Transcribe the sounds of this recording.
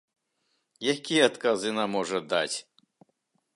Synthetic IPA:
jakʲijɐat̪kazɨnamːɔʐɐd̪a̰t͡sʲ

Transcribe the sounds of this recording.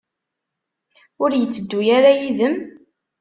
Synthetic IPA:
ʊɾjət͡sːəd̪ːujaɾajiðəm

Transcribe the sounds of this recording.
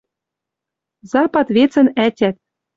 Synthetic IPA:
zɑpɑt̪βet͡sɘ̆nætʲæt̪̚

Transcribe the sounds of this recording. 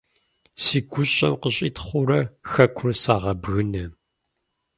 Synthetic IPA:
siɡʷʊɕʼɐmqəɕʼit̪χʷʊɾɐxɐkʷʰʊrsaːʁɐbɣɨnɐ

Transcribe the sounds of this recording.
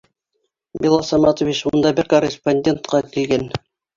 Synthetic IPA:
bʲilˠɑsɑmɑt̪ovit͡ɕund̪ɑbɘɾkorʲɪsponʲdʲe̞nt̪qɑkilɡæn

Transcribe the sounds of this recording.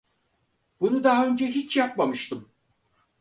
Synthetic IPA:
bunud̪aɦaø̞nd͡ʒɛɦit͡ʃjap̚mamɯʃt̪ʰɯm

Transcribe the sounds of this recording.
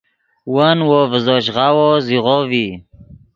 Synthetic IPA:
wənwovəzoɕ̬ʁawoziʁovi

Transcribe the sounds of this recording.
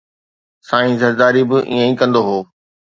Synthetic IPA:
saːĩzɐɾd̪aːɾibɪʔḭːə̃ĩkɐ̃nd̪oɦoː

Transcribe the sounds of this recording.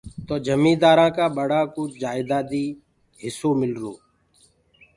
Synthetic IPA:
t̪oːd͡ʒəmĩːd̪aːɾãːkaːɓəɽaːkuːd͡ʒaːɪd̪aːd̪iː | ɦɪsoːmɪlɾõ̰ː

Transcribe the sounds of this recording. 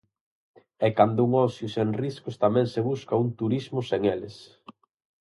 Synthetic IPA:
ɛkand̪ʊuŋɔsjuseŋriskʊst̪amɛ̃ŋseβuskɐunt̪uɾizmʊseŋeles

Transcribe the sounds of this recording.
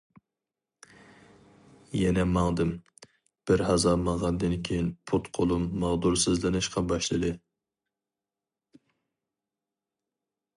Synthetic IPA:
jɛnɛmɑŋd̪ɨm | b̥ɪɾhɑzɑmɑʁɑnd̪ɨnkʲʰejinpʰut̪qʰolˠumːɑʁd̪uɾsɨzlɨnɪʃqɑbɑʃlˠɨd̪ɨ

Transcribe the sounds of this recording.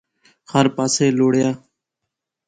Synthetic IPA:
həɾpaːseːloːɽjaː

